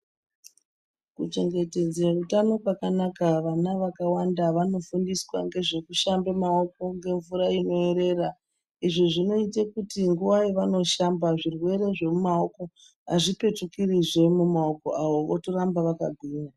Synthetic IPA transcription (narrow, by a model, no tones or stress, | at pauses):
kut͡ʃe̞ŋɡe̞te̞d͡zerutano̞pwakanakaʋanaʋakawandaʋano̞fundiswa̰ŋɡe̞ʐe̞kuʃambemao̞ko̞ŋɡe̞ɱvuɾaino̞e̞ɾe̞ːra | iʐiʐino̞itekutiŋɡuʋaiʋano̞ʃambaʐirwe̞ɾe̞ʐe̞mumao̞ko̞ | aʐipe̞tukiriʐe̞mumaoko̞̰ʔaʋo̞ʋotoɾambaʋaka̰ɡʱwiːɲa